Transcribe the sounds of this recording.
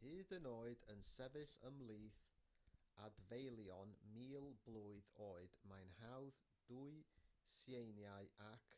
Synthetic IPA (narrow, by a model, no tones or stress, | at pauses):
hɨːdənoːɨdənsɛvɨθəmlˠiːθ | advejlˠjɔnmiːlˠblˠuːɨðoːɨd̥majnhawð | d̥uɨsjejnjaɨakʰ